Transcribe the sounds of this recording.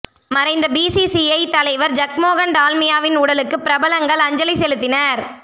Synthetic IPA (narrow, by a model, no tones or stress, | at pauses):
mɐɾɐɪnd̪ɐbiːsisiɐɪt̪ɐlɐɪʋɐɾd͡ʒɐk̚moːɣɐɳɖaːlmɪjaːʋɪnuːɽɐlɯkːɯpɪɾɐbɐlɐŋɡɐɭɐɲd͡ʒɐlɪsɛlɯt̪ːɪnɐɾ